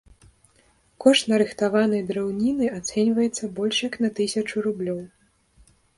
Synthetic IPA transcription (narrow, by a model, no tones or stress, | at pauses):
kɔʂt̪nɐɾɨxt̪avanɐjd̪ɾɛwnʲinɨat̪sɛnʲvɐjɛt̪sːɐbɔlʲʂjɐknɐt̪ɨsʲɐt͡ʂuɾublʲɔw